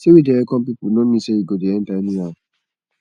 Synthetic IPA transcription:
sewidɛɾɛkɔ̃pipunɔ̃mĩʃeiɡodeɛ̃n̩tanĩa

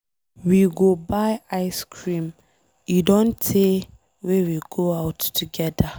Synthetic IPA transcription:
wiɡobaɪaɪskʰɹĩm | judõntʰe | wewiɡ̥oaʊttʰːuɡɛda

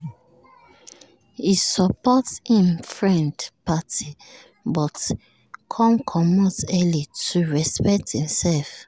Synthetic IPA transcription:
hisɔpɔthĩmfɹɛ̃ndpati | bɔt | kʰɔ̃mkʰɔmɔtɛlituɹɛspɛk̚thĩmsɛlf

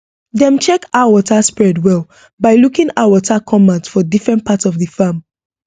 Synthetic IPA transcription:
ðɛ̃mt͡ʃɛkaʊəwɔtʰaspɹɛdwɛlˠ | baɪlukĩŋaʊəwɔtʰakʰɔ̃mantfɔdifɹɛ̃nt̚pʰatsɔvðəfam

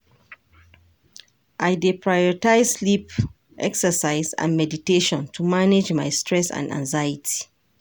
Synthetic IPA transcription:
ʔaɪdepʰɹajɔɹitaɪzslip | ʔɛksəsaɪzã̰nmɛditeʃɔ̃ntʰumaned͡ʒmajstʰɹɛsã̰ndã̰ŋzajitʰi̥

